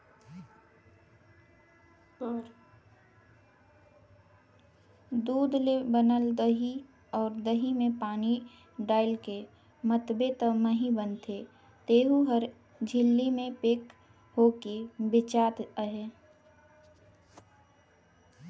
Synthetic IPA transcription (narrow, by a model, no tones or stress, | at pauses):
d̪uːd̪lebənəld̪əɦi | ɔːɾd̪əɦimẽpaːni | ɖaːɪlke | mət̪bet̪əməɦibənt̪ʰe | t̪eːɦuɦəɾ | d͡ʒʱɪlːimẽpeːk | hokebɪt͡ʃaːt̪əɦe